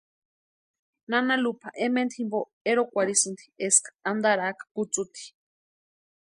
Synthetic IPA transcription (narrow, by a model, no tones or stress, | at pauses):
nanalupʰaʔement̪ʰimbo | eɾokʷaɾisɨnd̪i̥eskḁand̪aɾakḁkut͡sut̪i̥